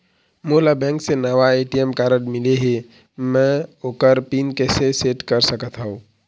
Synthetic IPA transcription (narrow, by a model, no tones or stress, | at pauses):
molabɛ̃ŋksenəʋaeʈijemkaɾəɖmɪleɦe | mɛ̃okəɾpinkɛseseʈkəɾsəkət̪ɦəũ